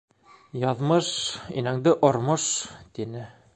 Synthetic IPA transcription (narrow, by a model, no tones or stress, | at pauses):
jɑðmɤʃḭnæŋd̪ɘʔŏɾmɤʃt̪inɘ